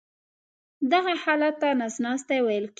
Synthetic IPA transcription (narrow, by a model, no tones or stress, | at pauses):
d̪aɣahɑlat̪ːanasnɑst̪awajəlk